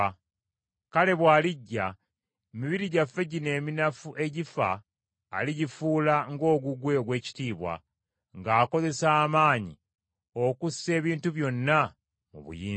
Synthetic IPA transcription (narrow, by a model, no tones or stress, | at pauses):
kale̞βwaːliɟːa | emiβiɾiɟafːe̞ɟine̞ːminafuʔe̞ɟifa̰ː | liɟifuːlaŋɡo̞ːɡuɡwe̞oɡwe̞ːci̥tiːβwa̰ | ŋɡaːko̞ze̞saːmaːɲḭ | o̞kusːe̞ːβiːntuβjo̞nːa | mṵβṵjiː